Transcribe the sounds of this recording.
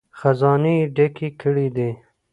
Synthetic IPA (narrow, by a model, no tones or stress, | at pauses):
xazɑniɖakikəɽid̪i